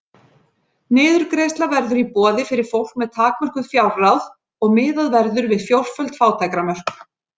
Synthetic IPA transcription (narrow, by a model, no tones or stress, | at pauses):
nɪːðʏɾkɾejst̪lavɛɾðʏɾipɔːðɪfɪɾɪɾ̥fowl̥k̚mɛðt̪ʰaːkmœr̥kʏðfjawlrawð | ɔɣmɪːðaðvɛɾðʏɾvɪðfjowr̥fœlt̪faːwt̪ʰajkɾamœɾ̥k